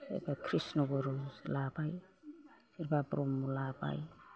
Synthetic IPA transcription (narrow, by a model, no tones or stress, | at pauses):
ḛbakʰɾisnɔɡɔɾɔlabaj | siɾbapɾɔmːulaba̰j